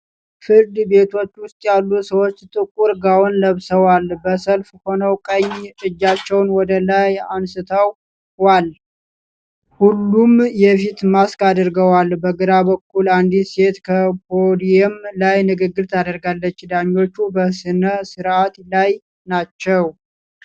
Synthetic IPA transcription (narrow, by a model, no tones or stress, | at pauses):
fɨɾd̪be̞t̪ʰo̞t͡ʃːwʊst̪ʼjalːusəwo̞t͡ʃːt̪ʼɨkʼuɾɡawnləβsəwalbəsəlfho̞nəwkʼəɲːɨd͡ʒːat͡ʃːɛwnwɔd̪əlajansɨt̪ʰəwː | al | hulːumjɛfit̪maskʼad̪ɾɡəwalbəɡɨɾabəkʰːuland̪ise̞t̪kʰəpʰod̪ijɛmlajnɨɡɨɡːɨɾt̪ʰad̪əɾɡalːət͡ʃːd̪aɲːo̞t͡ʃːubəsɨnəsɨɾat̪laj | nat͡ʃːɛw